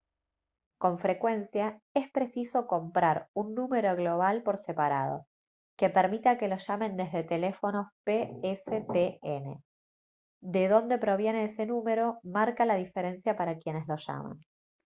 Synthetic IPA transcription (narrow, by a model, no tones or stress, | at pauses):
ko̞ɱfɾe̞kwe̞nsjae̞spɾe̞siso̞ko̞mpɾaɾunːũme̞ɾo̞ɣlo̞β̞alpo̞ɾse̞paɾa̰ð̞o̞̰ | ke̞peɾmit̪ake̞lo̞ʃamẽ̞nd̪e̞zðe̞t̪e̞lefo̞no̞peeset̪eene̞̰ | d̪e̞ðo̞nd̪e̞pɾo̞β̞je̞ne̞ese̞nume̞ɾo̞maɾkalaðife̞ɾe̞nsjapaɾakje̞ne̞zlo̞ʃa̰ma̰n